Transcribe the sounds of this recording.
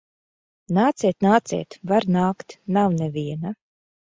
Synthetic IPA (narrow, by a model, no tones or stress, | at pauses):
naːt̪sɛːt̪naːt̪sɛ̰ːt̪vaɾnaːkt̪nawnevʲiɛna